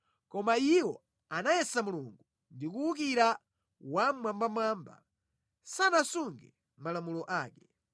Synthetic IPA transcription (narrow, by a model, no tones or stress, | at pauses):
kɔmaiwɔ | anajɛsamuluŋɡu | ndikuuk̬iɾa | wamwambamwamba̰ | sanasuŋɡɛ | malamulɔʔaːkɛ